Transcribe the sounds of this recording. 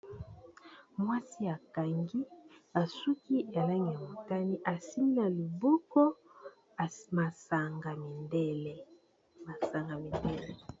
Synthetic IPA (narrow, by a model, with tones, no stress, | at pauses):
mwa˦si˦a˨ka˨ŋɡi˦a˨su˦ki˦a˨la˦ŋi˨ja˨mo˨ta˦ni˦ʔa˨si˦mi˦a˨li˨bɔ˦kɔ˦˨ | ma˨sa˨ŋɡa˨mi˨ndɛ˦lɛ˨ | ma˨sa˨ŋɡa˨mi˨ndɛ˦lɛ˨